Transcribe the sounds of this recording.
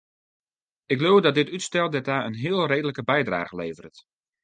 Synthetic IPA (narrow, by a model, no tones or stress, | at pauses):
ɪkɦloːwdɔt̚dɪtytstɛlˠdɛtaːənɦɪəlˠreːdələkəbɛjdra̰ːɣəleːvərt